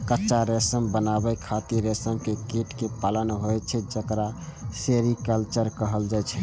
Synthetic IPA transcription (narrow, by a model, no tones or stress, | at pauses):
kətːʃaɾesəmbənabɛkʰat̪iɾesəmkekeʈkepalənɦojt͡ʃʰɛd͡ʒəkɾaseɾikəlt͡ʃəɾkəɦəld͡ʒajt͡ʃʰɛ